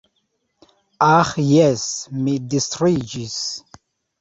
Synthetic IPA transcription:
aχjɛsmidistʰrid͡ʒis

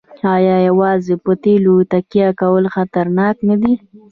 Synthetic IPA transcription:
ɑjɑjawɑzepət̪elut̪akijakawəlxat̪aɾnɑknad̪i

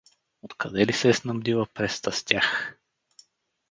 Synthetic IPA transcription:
ot̪kʰɐd̪ɛlisɛːsnɐmd̪ilˠəpɾɛst̪ɐst̪ʲax

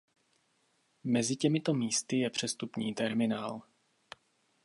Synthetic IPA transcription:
mɛzɪcɛmɪt̪omiːst̪ɪjɛpr̝̥ɛst̪upɲiːt̪ɛɾmɪnaːl

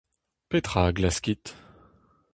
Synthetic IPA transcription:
pet̪χaɡlaskʲit̪

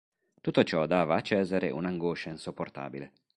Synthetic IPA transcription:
t̪ut̪ːot͡ʃɔd̪aːvaːt͡ʃːɛːzaɾḛʔṵnaŋɡoːʃainsopːort̪a̰ːbile

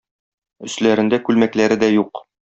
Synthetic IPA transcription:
ɵ̆slæɾɘ̆nd̪ækʉlmæklæɾɘd̪æjuq

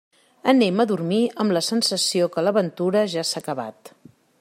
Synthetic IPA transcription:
əneməðurmiəmləsənsəsiokələβənt̪uɾəʒasakəβa̰t̪

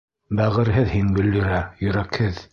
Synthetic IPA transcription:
bæʁɘ̆ɾɦɘðhiŋɡɵ̆ld̪ɵ̆ɾæjɵ̆ɾækhɘð

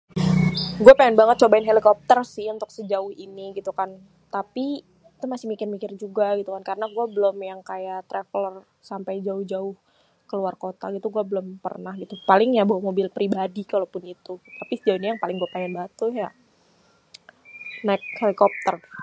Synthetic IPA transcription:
ɡuapaŋɛnbaŋət̪̚t͡ʃobaɪnɦelikɔp̚t̪ərsɪhunt̪ʊk̚səd͡ʒaʊhiniɡit̪ukan | t̪api | t̪umasɪhmikɪrmikɪrd͡ʒuɡaɡit̪ukankaɾənaɡuabəlʊmjaŋkajaʔt̪ɾeflər | sampajd͡ʒaʊhd͡ʒaʊh | kəluarkot̪a̰ɡit̪uɡuabəlʊmpə̰rnahɡit̪upalɪŋjabawamobɪlpɾibadikalopʊnit̪ut̪apisəd͡ʒaʊhnɲajaŋpalɪŋɡuapaŋɛnbaŋət̪ːʊjaʔ | naɪk̚helikɔp̚t̪ər

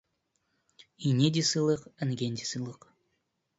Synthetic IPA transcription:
inʲed̪ʲisɨlˠɯqənɡʲenʲd̪ʲisɨlˠɯq

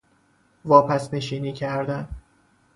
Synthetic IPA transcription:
vɒːpʰæsneʃiːniːcʰæɾd̪æn

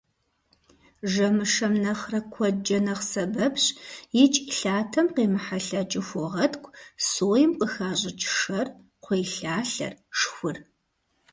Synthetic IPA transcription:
ʒɐmɨʂɐmnɐχrɐkʷʰɔd͡ʒɐnɐχsɐbɐpɕjɪt͡ʃʼɬaːtʰɐmqeːmɨħaɬɐt͡ʃʼɪxʷɔʁɐtkʷʰʼsoːjɪmqʼəxaːʑʼɪt͡ʃʰʼɪ̥ʂɐr | qʷeːɬaːɬɐ̰rʂxʷʊr

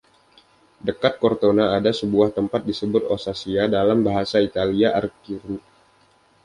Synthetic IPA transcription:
dəkat̪̚kort̪onaːdasəbuaht̪əmpat̪̚disəbʊt̪̚osasiadalambaɦasait̪aliaʔarkiɾu

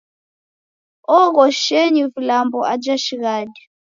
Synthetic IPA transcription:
ɔɣɔʃɛɲivulambɔad͡ʒaʃiɣaːdi

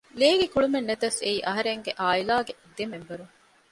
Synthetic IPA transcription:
leːɡekuɭumenːɐt̪ɐseiːʔɐɦɐɾeŋɡeʔaːilaːɡed̪ːemembɐɾuŋ

